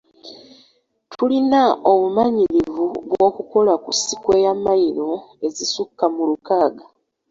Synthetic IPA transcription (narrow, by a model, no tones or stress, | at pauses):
tʰulinaomumaɲiɾivuɡwo̞ːkuko̞lakusikwe̞jamajino̞e̞zisukːamulukaːɡa